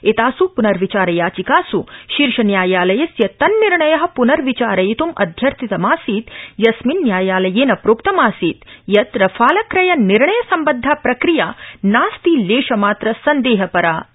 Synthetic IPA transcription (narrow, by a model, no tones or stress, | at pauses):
et̪aːsupunɐɾʋit͡ʃaːɾɐjaːt͡ʃikaːsuʃiɾʃɐnjaːjaːlɐjɐsjɐt̪ɐnːiɾɳɐjɐɦɐ̆punɐɾʋit͡ʃaːɾɐjit̪umɐ̰d̪ʱjɐɾt̪it̪ɐmaːsiːt̪jɐsminːjaːjaːlɐjeːnɐpɾoːkt̪ɐmaːsiːt̪jɐt̪ɾɐfaːlɐkɾɐjɐniɾɳɐjɐsɐmbɐd̪ʱːaːpɾɐkɾijaːnaːst̪iːleːʃɐmaːt̪ɾɐsɐnd̪eːɦɐpɐɾaː